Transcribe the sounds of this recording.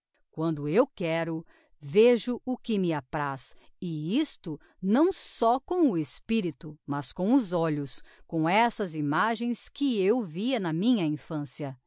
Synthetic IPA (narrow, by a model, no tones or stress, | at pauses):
kwɐ̃nd̪ʊewkɛɾʊ | veʒʊʊkɪmɪapɾasɪist̪ʊ | nɐ̃w̃sɔkõw̃ʊespiɾit̪ʊmɐskõw̃ʊzɔʎʊskõw̃ɛsɐzimaʒẽj̃skɪewviɐnɐmĩɲɐĩfɐ̃siɐ